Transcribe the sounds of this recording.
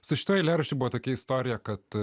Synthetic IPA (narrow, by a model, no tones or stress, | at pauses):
sʊʃʲɪt̪oːjɪlʲæːɾɐʃʲɪbuʋɐt̪oːkʲɛɪst̪oːɾʲɪjɛkɐt̪